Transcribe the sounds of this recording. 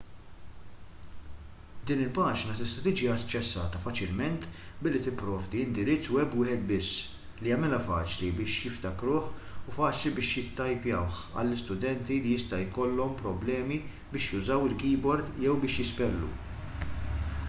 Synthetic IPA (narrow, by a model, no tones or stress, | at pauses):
d̪iːnɪlpɐːd͡ʒnɐt̪ɪst̪ɐt̪iːd͡ʒiɐt͡ʃːɛsːɐ̰ːt̪ɐfɐt͡ʃɪlmɛnt̪ | bɪlːit̪ɪpːɾɔːvd̪iɪnd̪ɪɾɪt͡sːuɛbːwɪːħɛt̪̚bɪsː | lijɐmɪlɐfɐ̰ːt͡ʃlibɪːʃjɪft̪ɐkɾʊːħʊfɐːt͡ʃlibɪːʃjɪt̪ːɐjpjɐwħ | ɐ̰lːɪst̪ʊd̪ɛnt̪ilijɪst̪ɐjkɔlːɔmpɾɔblɛːmi | bɪːʃjʊzɐwɪlkiːbɔɾd̪jɛwbɪːʃjɪspɛlːṵ